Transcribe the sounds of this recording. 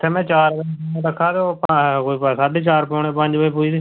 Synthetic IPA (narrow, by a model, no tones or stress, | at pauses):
t̪ʰeːmɛ̃ːt͡ʃaːɾbəɛ̃d̪əkʰːaːt̪opkoipsaːɖeːt͡ʃaːɾpoːɳeːpəɲd͡ʒbəiːpuiːd̪iː